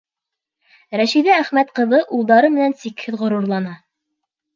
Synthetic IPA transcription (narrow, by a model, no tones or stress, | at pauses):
ɾæʃiðææχmæt̪qɤ̆ðɤʔulˠd̪ɑɾɤmɘ̆nænsikhɘðʁŏɾuɾlˠɑnɑ